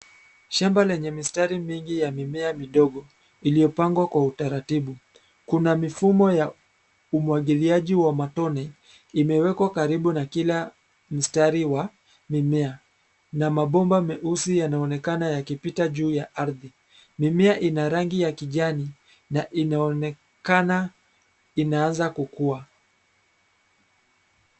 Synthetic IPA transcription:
ʃambalɛɲɛmistaɾimiŋɡijamimɛamiɗɔɠɔ | iliɔpaŋɡwakwautaɾatiɓu | kunamifumɔja | umwaɠiliaʄiwamatɔnɛ | imɛwɛkwakaɾiɓunakila | m̩staɾiwa | mimɛa | namaɓɔmbamɛʔusijanaɔnɛkanajakipitaʄuːjaʔaɾði | mimɛaʔinaɾaŋɡijakiʄani | naʔin | kana | inaanzakukua

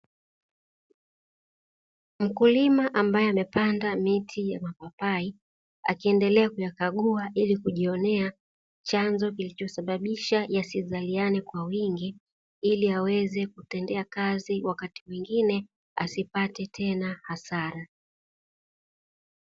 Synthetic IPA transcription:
m̩kulimaʔambajɛamɛpandamitʰijamapapai | a̰kiɛndɛlɛakujakaɠuaʔilikuʄiɔnɛa | t͡ʃanzɔkilit͡ʃɔsaɓaɓiʃajasizalianɛkwawiŋɡi | iliawɛzɛkutɛndɛakaziwakatimwiŋɡinɛ | a̰sipatɛtʰɛnahasaɾa

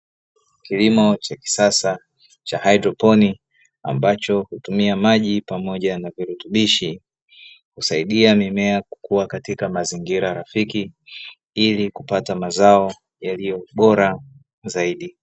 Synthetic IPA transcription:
kilimɔt͡ʃaki̥sasa | t͡ʃahaidɾɔpɔni | a̰mbat͡ʃɔhutumiamaʄipamɔʄanaviɾutuɓiʃi | husaiɗiamimɛaku̥kuwakatikamaziŋɡiɾaɾafiki | ilikupatamazaɔ | jalijɔɓɔɾa | zaiɗi

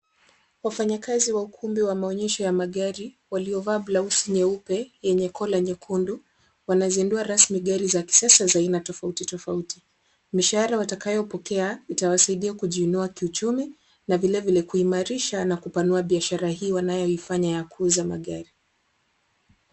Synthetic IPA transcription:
wafaɲakaziwaukʰumbiwamaɔɲɛʃɔjamaɠaɾi | waliɔvaːblausiɲɛupɛjɛɲɛkʰɔlaɲɛkʰundu | wanazinduaɾasmiɠaɾizaki̥siasazainatɔfautitɔfauti | miʃahaɾawatakajɔpɔkɛaitawasaiɗiakuʄiunuakiut͡ʃumi | navilɛvilɛkuimaɾiʃanakupanuaɓiaʃaɾaɦiːwanajɔifaɲajakʰuzama̰ɠaɾi

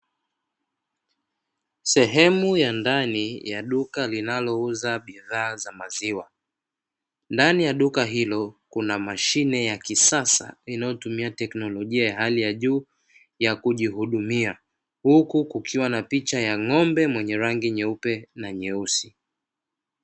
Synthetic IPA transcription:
sɛɦɛmujandanijaɗukalinalɔuzaɓiðaːzamaziwa | ndanijaɗukaɦilɔkunamaʃinɛjakisasa̰inajɔtumiatɛknɔlɔʄiajaɦalijaʄuː | jakuʄihuɗumia | hukukukʰiwanapit͡ʃajaŋɔmbɛmwɛɲɛɾaŋɡiɲɛupɛnaɲɛusi

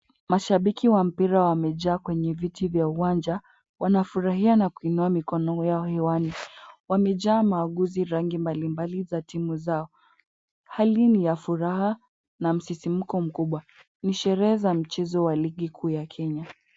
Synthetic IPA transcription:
maʃaɓikiwam̩piɾawamɛʄaːkwɛɲɛvitivjauwand͡ʒa | wʔanafuɾaɦianakuinuamikɔnɔjaɔhɛwaniwamɛʄaːmaːɠuziɾaŋɡimbalimbalizatimuzaɔ | halinijafuɾaɦa | nam̩sisim̩kɔm̩kuɓwa | niʃɛɾɛɛzam̩t͡ʃɛzɔwaliɠikʰuːjakʰɛɲa

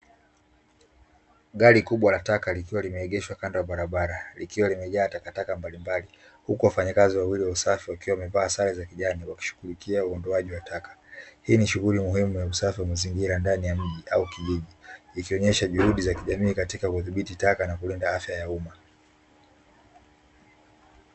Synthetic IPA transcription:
ɠaɾikuɓwalatakalikiwalimɛɛɠɛʃwakandɔwaɓaɾaɓaɾalikiwalimɛʄaːtakatakambalimbali | hukuwafaɲakaziwawiliwausafiwakiwamɛvaːsalizakiʄaniwaki̥ʃu̥ɣulikiauɔndɔaʄiwatakḁhiːniʃuɣulimuhimujausafiwamaziŋɡiɾandanijam̩ʄiʔaukiʄiʄiːkiɔɲɛʃaʄuhuɗizakiʄamiːkatikakuθiɓititakanakulindaafjajauma

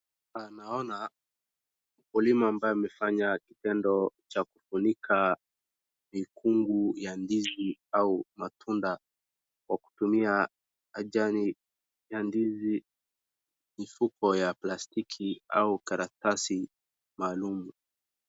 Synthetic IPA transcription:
anaɔna | m̩kulimaːmbajɔimɛfaɲakitɛndɔt͡ʃakufunikʰa | mikʰuŋɡujandiziaumatʰunda | kwaku̥tumia | aʄani | jandizi | mifukɔjaplastikʰia̰ukaɾak̚tasi | maːlumu

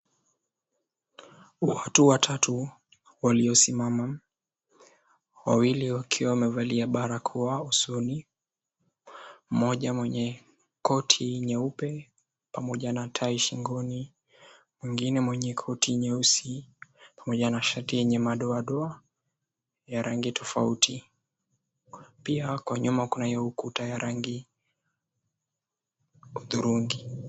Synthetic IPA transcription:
watuwatʰatu | waliɔsimama | wa̰wiliwakʰiwawamɛvaliaɓaɾakʰuausuni | m̩mɔʄamwɛɲɛ | kɔtʰiɲɛupɛ | pamɔʄanatʰaiʃiŋɡɔni | mwiŋɡinɛmwɛɲɛkʰɔtʰiɲɛusipamɔʄanaʃatijɛɲɛmaɗɔaɗɔa | jaɾaŋɡitʰɔfautʰi | piakwaɲumakunaiɔukutajaɾaŋɡi | uðuɾuŋɡi

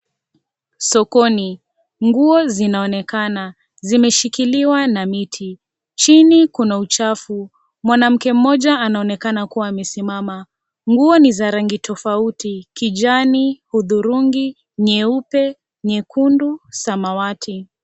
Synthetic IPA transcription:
sɔkɔni | ŋɡuɔzinaɔnɛkana | zimɛʃikiliwanamitʰi | t͡ʃinikunaut͡ʃafu | mwanam̩kɛm̩mɔʄaːnaɔnɛkanakuwaːmɛsimama | ŋɡuɔnizaɾaŋɡitʰɔfautikid͡ʒanihuðuɾuŋɡi | ɲɛupɛ | ɲɛkundusamawatʰi

